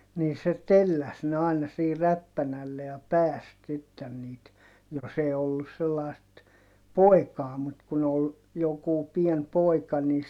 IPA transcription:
niː se telːæs ne ɑˑinɑ siː ræpːænælːe jɑ pæːst sitːen niːt jos eː olːus selːɑˑi̯st poˑi̯kɑː mut kun ol jokuˑ pien poi̯kɑ niː

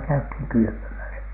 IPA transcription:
kæythiŋ kyly̆pømæsæ

